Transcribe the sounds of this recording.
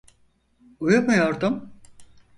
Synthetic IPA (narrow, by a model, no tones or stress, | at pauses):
ujumujo̞ɾd̪um